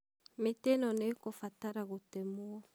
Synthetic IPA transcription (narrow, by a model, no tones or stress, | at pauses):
mitenɔnekofataɾaɣotɛmuɔ